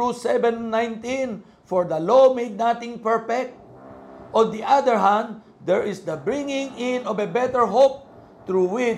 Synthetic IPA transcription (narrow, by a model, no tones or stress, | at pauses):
usɛvɛ̃nːãjnt̪ĩn | fɔɹd̪ɐlomed̪̚nat̪ɪ̃ŋpɛɹfɛk̚t̪̚ | ʔɔ̃nd̪iʔad̪əɹɦãnd̪̚ː | ɛɹɪsd̪ɐbɹɪ̃ŋɪ̃ŋɪ̃nɔvɛbɛt̪ɛɹɦop̚ | t̪ɹuwɪ